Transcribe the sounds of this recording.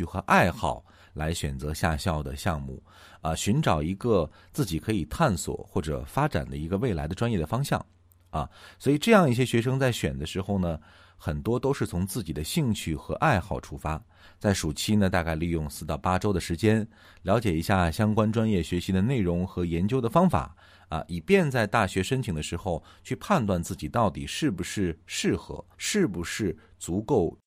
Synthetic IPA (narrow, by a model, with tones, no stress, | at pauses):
xɤ˧˥ʔa˥˧ɪxɑ˥˩ʊ | la˧˥ɪɕɥɛ˨˩nt͡sɤ˧˥ɕja̰˥˧ɕjɑ˥˩ʊd̪ə̰˩ɕjɑ˥˧ŋmṵ˥˩ | ə˧˩ɕy˧˥nʈ͡ʂɑ˨˩ʊi˧˥ɡə˧ | t͡sɹ̩˥˩t͡ɕi˨˩kʰɤ˧˥i˨˩t̪ʰa˥˩nswɔ̰˨˩xwɔ˥˩ʈ͡ʂɤ̰˨˩fa˥ʈ͡ʂa̰˨˩nd̪ə̰˦i˧˥ɡə˧we˥˩ɪla̰˧˥ɪd̪ə˧ʈ͡ʂwa˥njɛ˥˩d̪ə˩fɑ˥ŋɕjɑ̰˥˩ŋ | ɐ˥˩swɔ˧˥i˨˩ʈ͡ʂɤ˥˧jɑ˥˧ŋi˥˩ɕ̬jɛ˥ɕɥɛ˧˥ʂ̬ɤ˥ŋt͡sa˥˩ɪɕɥɛ˨˩nd̪ə˦ʂɻ̩˧˥xo˥˧ʊnə˩ | xə˨˩nt̪wɔ˥t̪o˥ʊʂɻ̩˥˩t͡sʰʊ˧˥ŋt͡sɹ̩˥˩t͡ɕi˨˩d̪ə˦ɕi˥˧ŋt͡ɕʰy˥˩xɤ˧˥ʔa˥˧ɪxɑ˥˩ʊʈ͡ʂʰu˧˥fa˥ | t͡sa˥˩ɪʂu˨˩t͡ɕʰi˥nə˨t̪a˥˧ka˥˧ɪli˥˧jʊ˥˧ŋsɹ̩˥˧t̪ɑ˥˩ʊpa˥ʈ͡ʂo˥ʊd̪ə˨ʂɻ̩˧˥t͡ɕjɛ˥n | ljɑ˧˥ʊ̯t͡ɕjɛ˨˩i˧˥ɕja˥˩ɕjɑ˥ŋkwa˥nʈ͡ʂwa˥njɛ˥˩ɕɥɛ˧˥ɕi˧˥d̪ə˧ne˥˩ɪɻʊ˧˥ŋxɤ˧˥jɛ˧˥nt͡ɕjo˥ʊd̪ə˨fɑ˥ŋfa̰˨˩˦ | ɐ̰˧i˨˩pjɛ˥˧nt͡sa˥˧ɪt̪a˥˩ɕɥɛ˧˥ʂə˥nt͡ɕʰi˨˩ŋd̪ə˦ʂɻ̩˧˥xo˥˧ʊt͡ɕʰy˥˧pʰa˥˧nt̪wa˥˧nt͡sɹ̩˥˩t͡ɕi˨˩t̪ɑ˥˩ʊt̪i˨˩ʂɻ̩˥˩bu˨˩ʂɻ̩˥˧ʂɻ̩˥˩xɤ̰˧˥ʂɻ̩˥˩bu˩ʂɻ̩˥˩t͡su˧˥ko˥˩ʊ